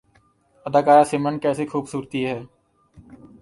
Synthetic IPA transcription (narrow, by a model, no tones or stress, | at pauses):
ɐd̪aːkaːɾasɪmənkɛːsexʰuːbsuːɾt̪iɦɛː